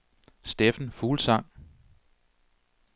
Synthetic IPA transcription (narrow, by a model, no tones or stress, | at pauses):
sd̥efn̩fuːlsɑ̈ŋ̰